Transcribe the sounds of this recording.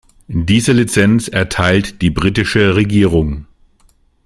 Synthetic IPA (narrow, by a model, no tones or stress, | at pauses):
d̥iːzəlit͡sɛnt͡sɛɐtʰaɪltd̥iːbʁiːtɪʃəʁeɡiːʁ̞ʊŋ